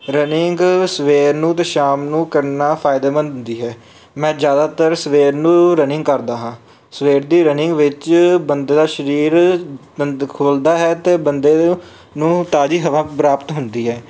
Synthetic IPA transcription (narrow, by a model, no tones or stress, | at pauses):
ɾənɪŋɡsʋeːɾnũːt̪eːʃaːmnũːkəɾnaːpʰaːɪd̪eːmə̃nnd̪iːɦɛː | mɛ̃ːd͡ʒjaːd̪aːt̪əɾsʋeːɾnũːɾənɪ̃ŋɡkəɾd̪aːɦãː | sʋeːɾd̪iːɾənɪ̃ŋɡʋɪt͡ʃbənd̪eːd̪aːʃəɾiːɾ | əkʰoːld̪aːɦɛːt̪eːbənd̪eː | nũːt̪aːd͡ʒiːɦəʋãːpɾaːpt̪ɦʊnd̪iːɦɛː